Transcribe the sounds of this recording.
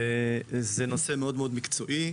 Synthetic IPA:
ezenosemeodmeo̞d̪mikt͡so̞ʔi

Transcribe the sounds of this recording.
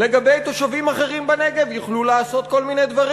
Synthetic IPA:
leɡabe̞jt̪o̞ʃavimaχe̞ʁimbaneɡe̞vjuχlulaːso̞t̪̚ko̞lmine̞jd̪vaʁi

